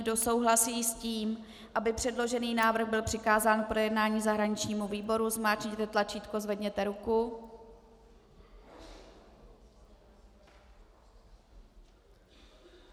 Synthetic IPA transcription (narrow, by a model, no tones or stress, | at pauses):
do̞so̞wɦlasiːsciːm | ʔabɪpr̝̥ɛdlo̞ʒɛniːnaːvɾr̩ɣbɪlpr̥ɪkaːzaːnkpɾo̞jɛdnaːɲiːzaɦɾaɲɪt͡ʃɲiːmuviːbo̞ɾuzmaːt͡ʃɲit̪ɛt̪lat͡ʃiːt̪kozvɛdɲɛt̪ɛɾuku